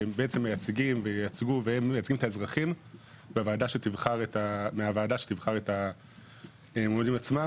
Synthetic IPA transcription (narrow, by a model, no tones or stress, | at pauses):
embeet͡se̞mːejat͡sɡimvejat͡sɡuveemejat͡sɡimet̪aezʁaχim | beavaːdaʃet̪ivχaʁetameavaːdaʃet̪ivχaʁeta | emd̪imat͡sma